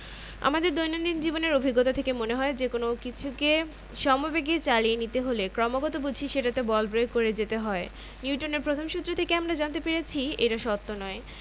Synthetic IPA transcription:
a̰mad̪eɾd̪ojnond̪ind͡ʑiboneɾobʱiɡːɔt̪ot̪ʰekemoneɦɔed͡ʑekonokit͡ɕʰuke | ʃɔmobeɡet͡ɕalienit̪eɦolekɾɔmoɡɔt̪obud͡ʑʱiʃeʈat̪ebɔlbɾojkoɾed͡ʑet̪eɦɔe | nuuʈoneɾpɾot̪ʰomʃut̪ːɾot̪ʰekeamɾad͡ʑant̪epeɾet͡ɕʰiḛʈaʃɔt̪ːonɔe

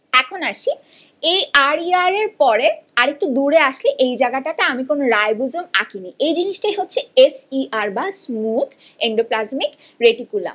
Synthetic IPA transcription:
ɛkʰonaʃi | ejaɾiaɾeɾpɔɾeaɾek̚ʈud̪uɾeaʃleʔejd͡ʑaɡaʈaʈeamikonoɾaebud͡ʑomakinijejd͡ʑiniʃʈajɦotːʰeesiaɾbasmuk | eɳɖoplazmik | ɾeʈikula̰

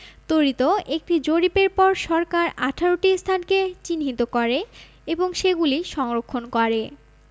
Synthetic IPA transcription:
t̪oɾit̪oek̚ʈid͡ʑoɾipeɾpɔɾʃɔɾkaɾaʈʰaɾoʈist̪ʰanket͡ɕinɦit̪okɔɾe | eboŋʃeɡuliʃɔŋɾokʰːonkɔɾe

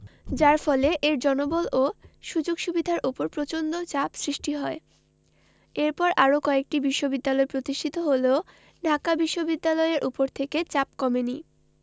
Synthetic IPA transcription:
d͡ʑaɾfɔleʔeɾd͡ʑɔnobolʔoʃud͡ʑoɡʃubid̪ʱaɾʔupoɾpɾot͡ɕond̪ot͡ɕapsɾiʃʈiɦɔe | eɾpɔɾʔaɾokɔek̚ʈibiʃːobid̪ːalɔepɾot̪iʃʈʰit̪oɦoleo | ɖʱakabiʃːobid̪ːalɔeeɾʔupoɾt̪ʰeket͡ɕapkɔmeni

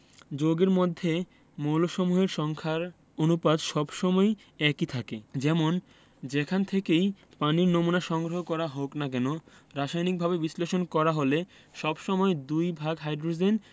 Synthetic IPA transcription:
d͡ʑoɡeɾmod̪ʱːe | mowloʃomuɦeɾʃɔŋkʰaɾ | onupad̪ʃɔbʃɔmɔe | ɛkit̪ʰaked͡ʑɛmon | d͡ʑekʰant̪ʰekejpaniɾnomunaʃɔŋɡɾoɦokɔɾaɦoknakɛnoɾaʃajnik̚bʱabebisleʃonkɔɾaɦole | ʃɔbʃɔmɔed̪ujbʱaɡɦajdɾod͡ʑen

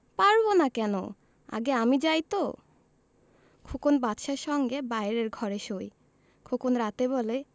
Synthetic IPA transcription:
paɾbonakɛno̰ | a̰ɡeamid͡ʑajt̪o | kʰukonbat̪ʃaɾʃɔŋɡebajɾeɾɡʱɔɾeʃoj | kʰokonɾat̪ebole

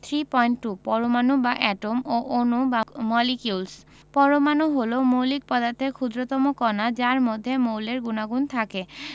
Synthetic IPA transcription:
t̪ʰɾipɔjɳʈʈupɔɾomanubaʔɛʈomoʔonubamɔlikjuls | pɔɾomanuɦolomowlik̚pɔd̪aɾt̪ʰeɾkʰud̪ɾot̪ɔmokɔnad͡ʑaɾmod̪ʱːemowleɾɡunaɡunt̪ʰake

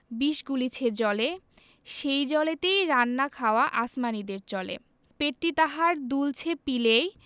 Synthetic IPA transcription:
biʃɡulit͡ɕʰed͡ʑɔle | ʃejd͡ʑɔlet̪ejɾanːakʰaoaʔasmanid̪eɾt͡ɕɔlḛ | peʈʈːit̪aɦaɾd̪ult͡ɕʰepilej

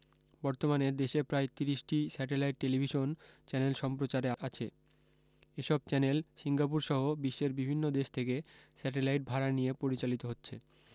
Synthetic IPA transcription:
bɔɾt̪omaned̪eʃepɾaet̪iɾiʃʈisɛʈelajʈ̚ːelibʱiʃont͡ɕɛnelʃɔmpɾot͡ɕaɾeat͡ɕʰḛ | eʃɔb̚t͡ɕɛnelsiŋɡap̬uɾʃɔɦobiʃːeɾbibʱinːod̪eʃt̪ʰekesɛʈelajʈ̚bʱaɾanijepoɾit͡ɕalit̪oɦotːɕʰe

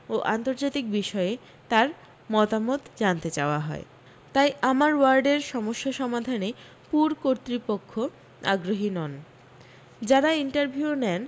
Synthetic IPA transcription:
oʔant̪oɾd͡ʑat̪ik̚biʃɔee | t̪aɾ | mɔt̪amot̪d͡ʑant̪et͡ɕaoaɦɔ̰e | t̪ajʔamaɾwaɾɖeɾʃɔmoʃːaʃɔmad̪ʱane | puɾkoɾt̪ɾipokʰːo | a̰ɡɾoɦinɔn | d͡ʑaɾaiɳʈaɾbʱiuunɛn

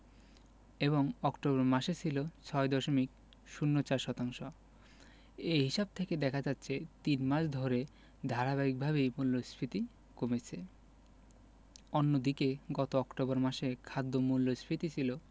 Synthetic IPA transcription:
eβoŋɔkʈobɔɾmaʃet͡ɕʰilot͡ɕʰɔed̪ɔʃomik | ʃunːot͡ɕaɾʃɔt̪aŋʃo | eɦiʃab̚t̪ʰeked̪ɛkʰad͡ʑatːɕʰet̪inmaʃd̪ʱoɾe | d̪ʱaɾabaik̚bʱaβejmulːosfʰit̪i | komet͡ɕʰe | onːod̪ikeɡɔt̪oɔkʈobɔɾmaʃekʰad̪ːomulːosfɾit̪it͡ɕʰilo

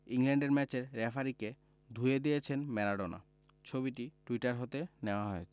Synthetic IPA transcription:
iŋlɛɳɖeɾmɛt͡ɕeɾːɛfʰaɾike | d̪ʱued̪iet͡ɕʰenmɛɾaɖona̰ | t͡ɕʰobiʈiʈuiʈaɾɦot̪eneoaɦoe

